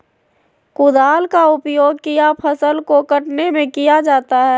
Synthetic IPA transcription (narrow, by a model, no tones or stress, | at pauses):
kʊd̪aːlkaʊpjoːɡ̚kijapʰəsəlkokəʈnemẽkijad͡ʒaːt̪aɦɛː